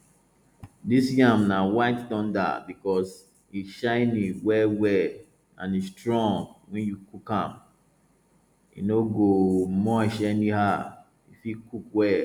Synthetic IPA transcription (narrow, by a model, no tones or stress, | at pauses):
disjãmnawaɪtdɔ̃nda̰bikɔs | iʃãɪniwɛwɛ | ã̰nistɹɔ̃ŋɡwɛ̃njukukãm | ḭnoɡomɔʃɛniha | ifikukwɛ